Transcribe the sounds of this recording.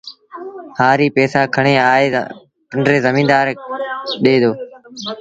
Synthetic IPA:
haːɾiːpɛːsaːkʰəɳ̃eːaːḛː | pəɳɖɾeːzəmĩːnd̪aːɾɗeːd̪oː

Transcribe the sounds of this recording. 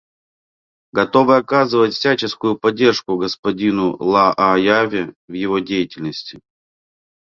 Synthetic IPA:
ɡɐt̪o̞vɨɐkazɨvətʲfʲsʲæt͡ɕɪskʊjʊpɐdʲːe̞rʂkʊɡəspɐdʲinʊlˠaʔajavʲɪ | vjɪvodʲejɪtʲɪlʲnəsʲtʲɪ

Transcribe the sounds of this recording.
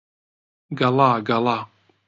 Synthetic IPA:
ɡalaɡala

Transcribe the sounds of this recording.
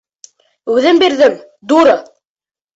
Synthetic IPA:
ʉðɘmbiɾðɘm | d̪uɾɤ

